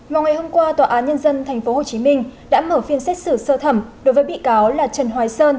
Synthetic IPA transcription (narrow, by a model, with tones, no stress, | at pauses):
vaː˨˩wŋa˨˩jho˧mkwaː˧t̪waː˨˩ʔaː˨˦nɲə˧nzə˧nt̪ʰɛ˨˩jŋ̟fo˨˦ho˨˩t͡ɕi˨˦mï˧ŋ̟ɗa̰ː˧˥məː˧˩fi˧ənsɛ˦˥k̚sɨ˧˩səː˧t̪ʰə˧˩mɗo˨˦jvəː˨˦jɓḭ˧˨kaː˨˦wlaː˨˩t͡ɕə˨˩nɦwaː˨˧˦jsəː˧n